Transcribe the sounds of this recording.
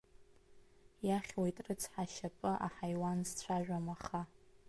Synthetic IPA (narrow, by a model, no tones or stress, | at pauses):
jaχʲwojtʼrɨt͡sʰħaʃapʼɨʔaħajwanzt͡ɕʷʰaʒᶣamaχa